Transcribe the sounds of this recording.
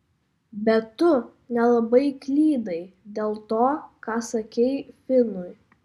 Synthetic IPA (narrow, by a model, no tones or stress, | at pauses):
bʲɛt̪ʊ | nʲɛlˠɐbɐɪklʲiːd̪ɐɪd̪ʲeːlˠt̪oːkɑːsɐkʲɛɪfʲɪnʊɪ